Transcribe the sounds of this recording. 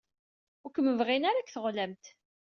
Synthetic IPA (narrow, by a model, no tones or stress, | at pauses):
ʊɾkəmːəvʁinaɾakθəʁlæmt̪